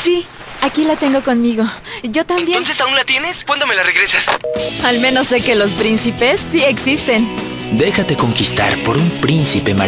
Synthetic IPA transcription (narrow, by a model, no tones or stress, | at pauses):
si | akilat̪e̞ŋɡo̞ko̞nmiɣo̞d͡ʒo̞t̪aẽnbjeonsesaunlat̪je̞neskwand̪ome̞lareɣɾesasalmẽ̞no̞sːe̞ke̞lo̞spɾinsipe̞sːie̞ksist̪en | d̪e̞xat̪e̞ko̞ŋkist̪a̰ɾpo̞ɾumpɾinsipe̞ma